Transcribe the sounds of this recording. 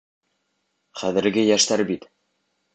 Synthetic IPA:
χæðɘ̆ɾɡɘjæʃt̪æɾbit̪

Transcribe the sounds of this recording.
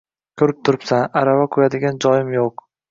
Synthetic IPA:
kʲʰɵɾɪp̚t̪ʰʊɾɪpsanaɾavakʰʊjad̪ɪɡʲand͡ʒɒjɪmjoq

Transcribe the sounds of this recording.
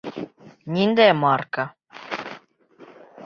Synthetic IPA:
nʲind̪emɑrkə

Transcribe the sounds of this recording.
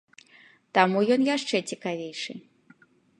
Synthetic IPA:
t̪amujɔnjaʂt͡ʂɛt͡sʲikavʲejʂɨ

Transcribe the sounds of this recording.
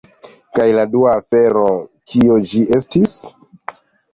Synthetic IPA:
kajladuaːfe̞ɾo̞kiod͡ʒiʔe̞stis

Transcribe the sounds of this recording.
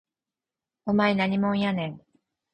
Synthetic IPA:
omaenaɲ̟imõɰ̃janẽŋ

